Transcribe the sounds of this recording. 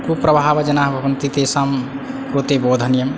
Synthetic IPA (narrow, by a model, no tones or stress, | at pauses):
kupɾəbʱaːbd͡ʒɐnaɦbʱɐʋənt̪it̪esam | ɾot̪ebod̪ʱənjəm